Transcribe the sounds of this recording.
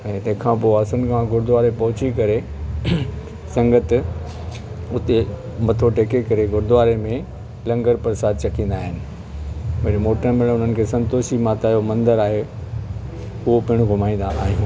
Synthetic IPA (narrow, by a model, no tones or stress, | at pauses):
ɛ̃ːt̪ɛ̃ɦkʰãpoɐsənkʰãɡʱʊɾd̪ʊʋaːɾepɐɦʊt͡ɕikɐɾe | sɐ̃ŋɡət̪ | ʊt̪e | mɐt̪ʰoʈeːkekɐɾeɡʱʊɾd̪ʊʋaːɾemẽ | lɐ̃ŋɡəɾpɐɾsaːd̪t͡ɕɐkĩːn̆d̪aːɦɪnɪ̆ | bɐɾmoːʈəɾmɪ̃ɽ̃ʊn̤ənɪ̆kʰeːsɐ̃nt̪oːʃimaːt̪aːjomɐ̃nd̪əɾaːɦe | ʊɦopɐɦɪɽ̃ʊɡʱʊmaːĩn̆d̪aʔaːɦijũː